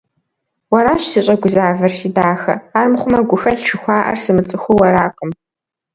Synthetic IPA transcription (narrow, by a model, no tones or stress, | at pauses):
wɐɾaːɕsiɕʼɐɡʷʊzaːvɐrsiːdaːxɐ̰aːrmɨχʷʊmɐɡʷʊxɐɬʃʰɪxʷɑːʔɐ̰rsɨmɨt͡sʼɨxʷʊwɐɾaːqʼəm